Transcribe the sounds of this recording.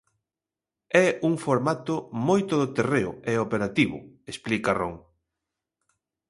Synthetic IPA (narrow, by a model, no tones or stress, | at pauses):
ɛuŋfoɾmat̪ʊmojt̪oðot̪ereʊ̰eopeɾat̪iβʊ̰esplikaroŋ